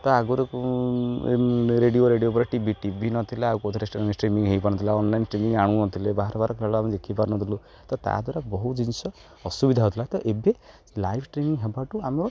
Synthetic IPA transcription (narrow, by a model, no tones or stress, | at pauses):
t̪ɔaɡoɾek | ɾeɖijoɾeɖijopɔɾeʈibiʈibʱinɔt̪ʰileaukot̪ʰɔɾesʈisʈɾimĩŋɦejpaɾ̃ɔt̪ʰilaɔnlajnsʈɾimiŋaɽ̃ũnɔt̪ʰilebaɦɾɔbaɾɔkʰeɭamed͡ʒekʰipaɾɔnɔt̪ʰilu | t̪ɔt̪a̰d̪waɾabɔɦud͡ʒinsɔ | ɔsubid̪ʱaɦɔt̪ʰilat̪ɔʔebe | lajpʰsʈɾimiŋɦebaʈuamɔɾɔ